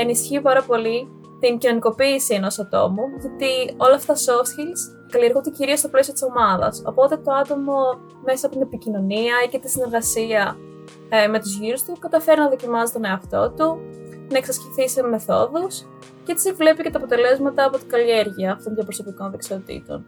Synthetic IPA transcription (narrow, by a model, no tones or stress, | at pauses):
e̞nisçipɐɾɐpo̞li | t̪iŋcino̞niko̞piːsie̞no̞sɐt̪o̞̰muʝot̪io̞lɐft̪ɐso̞sçis | kɐlie̞ɾɣund̪eciɾio̞st̪oplesio̞t̪i̥so̞mɐðɐ̰so̞po̞t̪e̞t̪o̞ɐt̪o̞mo̞ | me̞sɐːpot̪inepicino̞niɐicet̪isine̞ɾɣɐsiɐ | me̞t̪uzʝiɾust̪ukɐt̪ɐfe̞ɾinɐðo̞cimɐzit̪o̞ne̞oɐft̪o̞t̪unɐeksɐsceθiseme̞θo̞ðus | cet̪i̥sevle̞pice̞t̪ɐːpo̞t̪e̞le̞zmɐt̪ɐːpo̞t̪iɡɐlie̞ɾʝiɐːft̪onðjɐpɾoso̞p̪iko̞nðeksio̞t̪ḭt̪o̞̰n